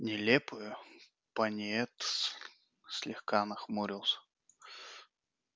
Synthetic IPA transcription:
nʲɪlʲepʊjʊ | pɐnʲɛt̪ | sʲlʲɪxkanəxmuɾʲɪlˠsʲə̥

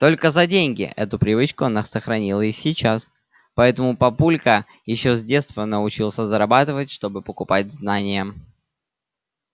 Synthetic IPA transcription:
t̪o̞lʲkəzɐdʲenʲɡʲɪ̰ʔɛ̰t̪ʊpɾʲɪvɨt͡ɕkʊɐnasəxɾɐnʲilˠəsʲɪt͡ɕas | pɐɛt̪əmʊpɐpulʲkə | jɪɕːozʲdʲe̞t̪st̪vənəʊt͡ɕilˠsʲəzəɾɐbat̪ɨvətʲʂt̪o̞bɨpəkʊpat̚ʲznanʲɪjə

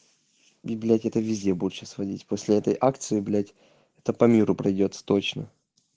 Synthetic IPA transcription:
bʲɪblʲatʲɛt̪əvʲɪzʲdʲebuʂəsvɐdʲitʲpo̞sʲlʲɪɛt̪əjʔakt̪sɨɪbʲlʲatʲ | ɛt̪əpɐmʲiɾʊpɾɐjdʲot̪sə̥t̪o̞t͡ɕnə

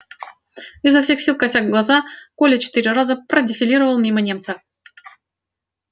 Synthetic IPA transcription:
ɪzːɐfsʲe̞xsʲilˠkɐtʲaɡɡlˠɐzakolʲət͡ɕɪ̥t̪ɨɾʲɪrazəpɾədʲɪfʲɪlʲiɾəvəlˠmʲimənʲe̞mt̪sə

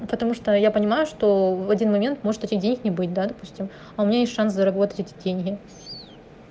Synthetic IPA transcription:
pət̪ɐmuʂt̪ojapənʲɪmajʊʂt̪o̞vɐdʲinmɐmʲe̞nt̪mo̞ʐɨt̪ɛtʲɪxdʲenʲɪknʲɪbɨtʲd̪ad̪ɐpusʲtʲɪm | ɐʊmʲɪnʲajesʲtːʂanszəɾɐbo̞t̪ətʲɛtʲɪ̥dʲenʲɡʲɪ

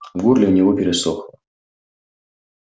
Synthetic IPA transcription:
ɡurlʲɪʊnʲɪvopʲɪɾʲɪsox

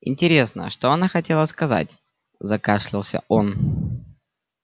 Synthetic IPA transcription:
ɪ̰nʲtʲɪɾʲe̞snə̰ʂt̪oɐnaxɐtʲe̞lˠəskɐza̰t̚ʲ | zɐkaʂlʲɪlˠsʲə̰ʔon

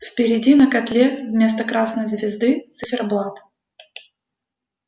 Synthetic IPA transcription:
fpʲɪɾʲɪdʲinəkɐt̪lʲevmʲe̞st̪əkɾasnəjzvʲɪzd̪ɨt̪sɨfʲɪrblˠat̪

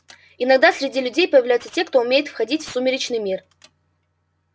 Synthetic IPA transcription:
ɪnɐɡ̚d̪asʲɾʲɪdʲilʲʉdʲejpəjɪvlʲæjʊt̪sətʲekt̪o̞ʊmʲejɪt̪fxɐdʲitʲfsumʲɪɾʲɪt͡ɕnɨjmʲir

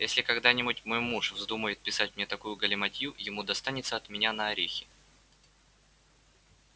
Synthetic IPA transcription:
jesʲlʲɪkɐɡd̪anʲɪbʊtʲmojmuʂvzd̪uməjɪt̪̚pʲɪsatʲmnʲet̪ɐkujʊɡəlʲɪmɐtʲjujɪmud̪ɐst̪anʲɪt̪səɐt̪mʲɪnʲanəːɾʲexʲɪ

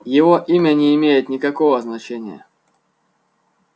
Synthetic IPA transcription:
jɪvoʔimʲənʲɪːmʲejɪt̪nʲɪkɐkovəznɐt͡ɕenʲɪjə̰

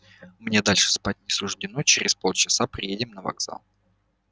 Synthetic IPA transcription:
mnʲe̞d̪alʲʂɨ̥spat̚ʲnʲɪsʊʐdʲɪnot͡ɕɪɾʲɪspolˠt͡ɕɪsapɾʲɪjedʲɪmnəvɐ̰ɡz̥a̰lˠ

